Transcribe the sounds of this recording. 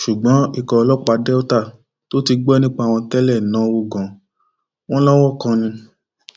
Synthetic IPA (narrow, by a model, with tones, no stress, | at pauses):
ʃu˨ɡ͡bɔ̃˨˦i˦˨kɔ˨˧lɔ˦k͡pa˧dɛ˦o˦ta˦˨ | to˨˦ti˧ɡ͡bɛ˦nĩ˦k͡pa˦a˨w̃ɔ̃˧tɛ˦lɛ˦˨nã˨˦wo˦ɡɔ̃˨ | w̃ɔ̃˦lɔ˦wɔ˦kã˧nĩ˧